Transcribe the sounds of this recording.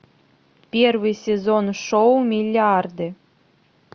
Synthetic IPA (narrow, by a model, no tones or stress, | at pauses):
pʲervɨjsʲezonʃomʲilʲːɑrd̪ɘ̆